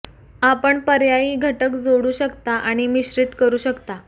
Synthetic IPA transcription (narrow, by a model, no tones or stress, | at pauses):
apəɳpəɾjajiːɡʱəʈəkd͡zoɽuːɕəkt̪aʔaɽ̃imiɕɾit̪kəɾuːɕəkt̪a